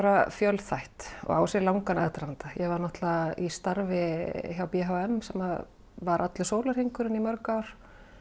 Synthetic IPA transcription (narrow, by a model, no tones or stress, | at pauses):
aɾafjœlθajht̪ɔ̰ɣa̰wsjɛɾlawŋkanɛðt̪ɾant̪ajɛvaɾnɔht̪laist̪aɾvɪçjawpjɛɦawɛmsɛmað | vaɾʔat̪lɪsoːwlaɾ̥heŋkʏɾɪnimœɾkaɾ̥